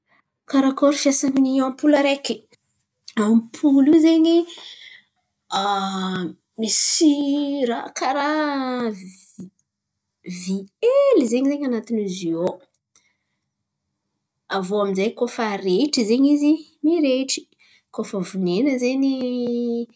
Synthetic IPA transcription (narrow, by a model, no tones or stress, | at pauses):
kaɾakoɾufiasaniniampuləɾeki̥ | ampʰulizeɲi | a | misiɾakʰaɾa | vielizeɲizeɲanat̪inizio | avoaminzajkofaɾeʈ͡ʂizeɲizimiɾeʈ͡ʂi̥ | kofəvunenəzeɲi